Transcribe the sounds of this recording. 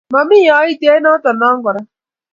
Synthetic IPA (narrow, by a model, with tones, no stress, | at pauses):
ma˨mi˦ja˨˦i˦te˦nɔ˦tɔ˨na˦ŋ˦ɡɔ˨ɾa˦